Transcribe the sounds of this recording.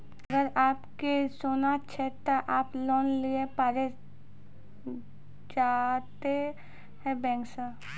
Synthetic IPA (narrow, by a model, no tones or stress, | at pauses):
əɡəɾaːpkesoːnat͡ʃʰɛt̪oʔaːplɔːnliepaːɾe | d͡ʒaːt̪e | ɦɛ̃bɛ̃ːŋksa